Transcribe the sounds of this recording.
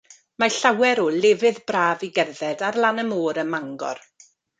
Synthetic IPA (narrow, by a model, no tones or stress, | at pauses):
maɬawɛɾɔlɪvɨðbraːviɡɛrðɛdarlˠanəmoːɾəmaŋɡɔ̰r